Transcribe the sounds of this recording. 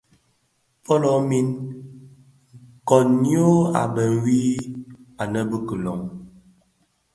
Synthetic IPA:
fɔ˦lɔ˨˦mi˦n | ŋ˨kɔ˨njo˦a̰˨bə˨wiː˦ | a˨nə˦bə˦kə˨lɔ̰˨ŋ

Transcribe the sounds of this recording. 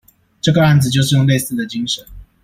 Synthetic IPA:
ʈ͡ʂɤ˥˩ɡə˩a˥˩nd͡z̩˨˩t͡ɕjo˥˧ʊʂɻ̩˥˧jʊ˥˧ŋ˦le˥˧ɪsɹ̩˥˩d̪ə˩t͡ɕi˥ŋʂə˨˦n

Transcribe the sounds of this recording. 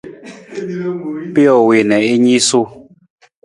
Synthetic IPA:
pe˦ɔ˨we˨nɛ˨i˦ɲi˦su˦

